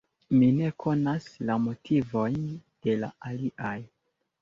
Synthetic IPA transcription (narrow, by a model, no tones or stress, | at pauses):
mine̞kʰo̞naslamo̞tʰivo̞jnd̥e̞la̰aliʔaj